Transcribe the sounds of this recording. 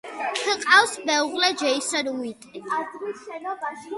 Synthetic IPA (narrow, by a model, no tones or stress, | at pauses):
kʰəqʼawsbɛuʁlɛd͡ʒɛisɔɾuit̪ʼi